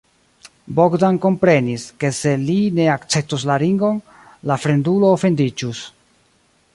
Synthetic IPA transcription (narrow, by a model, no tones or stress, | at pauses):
bo̞ɡdanko̞mpɾe̞niske̞se̞line̞akt͡se̞p̚tuslaɾiŋɡo̞n | lafɾe̞nduloːfe̞ndid͡ʒus